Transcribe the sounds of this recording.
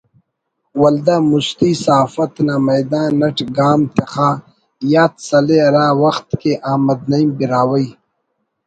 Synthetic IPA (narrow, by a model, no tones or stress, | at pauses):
wɐld̪amust̪iːsaːfɐt̪namɐjd̪ãːnɐʈɡaːmt̪exaː | jaːt̪sɐleɾãːwɐxt̪keʔaːmɐd̪nɐimbiɾaːwɐi